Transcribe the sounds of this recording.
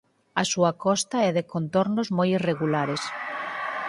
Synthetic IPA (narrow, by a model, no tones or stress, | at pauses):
asuakɔst̪aɛðekont̪ɔɾnozmojireɣulaɾes